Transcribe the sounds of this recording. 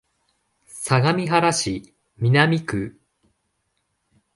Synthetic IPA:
saɡamʲiɦaɾaɕi | mʲinamʲikɯ

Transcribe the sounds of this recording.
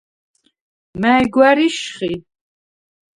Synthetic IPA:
mæjɡwaɾiʃχi

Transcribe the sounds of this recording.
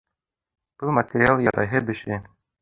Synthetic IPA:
b̥ɤlˠmɐt̪ʲɪɾʲɪalˠjɑɾɑ̰jɦɤbɘ̆ʃɘ

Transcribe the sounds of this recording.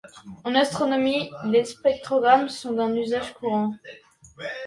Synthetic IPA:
ɑ̃nast̪χɔnɔmilespɛk̚t̪χɔɡʁamsɔ̃d̪ɛ̃nyzaʒkʰuʁɑ̃

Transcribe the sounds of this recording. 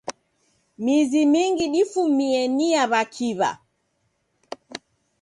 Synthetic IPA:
mizimiŋɡiɗifumiɛniaβakʰiβa̰

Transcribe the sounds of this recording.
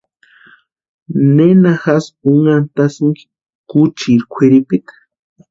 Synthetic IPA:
nenaxasuŋant̪asiŋɡ | kut͡ʃiɾkʷʰeɾipit̪ḁ

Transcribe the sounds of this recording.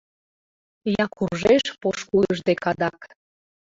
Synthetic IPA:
jɑkurʒeʃpoʃkuləʒd̪ekɑd̪ɑk

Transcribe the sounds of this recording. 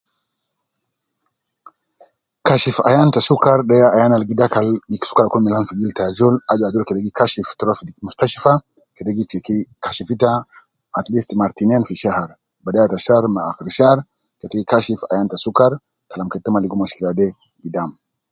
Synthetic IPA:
kaʃifa̰jantasukaɾɗɛjaʔːjanalɡidakaliksu̥kaɾkulmɛlanfiɡiltad͡ʒɔlad͡ʒad͡ʒɔlkedeɡikaʃiftɾofdmustaʃifa | keteɡikkaʃifitaː | t̪listmaɾtinanfiʃahaɾ | badajataʃaɾmaːxiɾʃaɾ | kɛteɡikaʃifa̰jantasukaɾ | kalamkɛtːamaliɡumaʃkiladɛ | ɡidam

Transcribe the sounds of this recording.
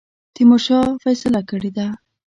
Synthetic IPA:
t̪imoʃɑfajsalakəɽed̪a

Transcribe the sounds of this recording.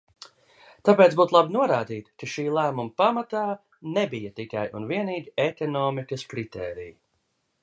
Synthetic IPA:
t̪apeːt̪sbuːt̪lˠabinuɔɾaːd̪iːt̪kaʃiːlˠæːmumpamat̪aː | nɛbijɐt̪ikajʔunviɛniːɡʲiekɔnɔːmikɐskɾit̪ɛːɾḭj

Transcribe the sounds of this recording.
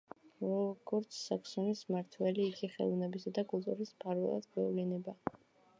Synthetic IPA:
ɾɔɡ̥ɔɾt̪sʰːakʰsɔnismaɾt̪ʰwɛliːkʰiχɛ̰lˠɔnɛbisad̪akʼulˠt̪ʼuɾismpʰaɾvɛ̰lˠa̰d̪̥ɡwɛvlɛnɛba

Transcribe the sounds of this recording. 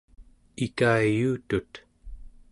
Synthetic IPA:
ikaːjuːt̪ut̪

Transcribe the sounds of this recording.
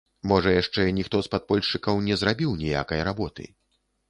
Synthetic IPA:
mɔʐɐjaʂt͡ʂɛnʲixt̪ɔspat̪̚pɔlʲʂt͡ʂɨkɐwnʲɛzɾabʲiwnʲɛja̰kɐjɾabɔt̪ɨ̰

